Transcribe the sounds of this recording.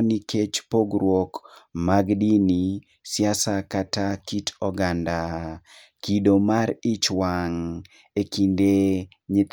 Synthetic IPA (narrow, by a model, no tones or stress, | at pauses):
niket͡ʃpoɡɾwɔkmaɡdini | sjasakatakitɔɡanda | kidomaɾɪt͡ʃwaŋ | ekinde | ɲɪt̪